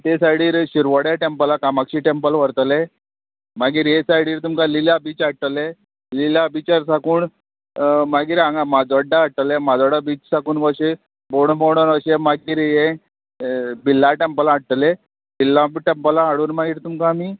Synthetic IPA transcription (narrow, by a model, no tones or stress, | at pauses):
t̪esajɽiːɾɕiɾʋəɽjaʈempəlakamakɕiːʈempəlʋəɾt̪əle | maɡiːɾjesajɽiːɾt̪umkalilabiːt͡saʈ̚ʈ̪əle | lilabit͡ɕaɾsakuːɳ | maɡiːɾãŋamad͡zʋəɖːaːɽ̚ʈ̪əlemad͡zʋəɽabiːt͡ssakuːnʋəɕe | boɳboɽənəɕemaɡiːɾjẽ | bilːaʈempəlaːʈ̚ʈ̪əle | bilːaʈempəlaaɽuːnmaɡiːɾt̪umkaːmiː